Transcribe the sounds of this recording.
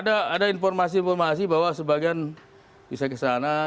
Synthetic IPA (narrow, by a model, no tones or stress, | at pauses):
daːdainfɔrmas̬iːnfɔrmasibawasəbaɡian | bisakəsana